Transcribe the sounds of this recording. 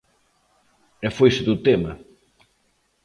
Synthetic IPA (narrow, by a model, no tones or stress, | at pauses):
ɛfojsɪðut̪emɐ